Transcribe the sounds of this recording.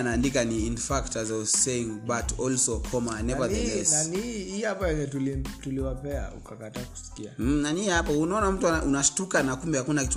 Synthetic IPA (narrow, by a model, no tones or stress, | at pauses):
anaːndikaniinfaktazɔseiŋbatʰɔlsɔkʰɔmanɛvaðɛɛsnaniihapaɛɛtulituliwapɛa̰ṵkakataːku̥si̥kiananiːhapaunaɔnam̩tuaaʔunaʃtukanakumbɛhakunakitu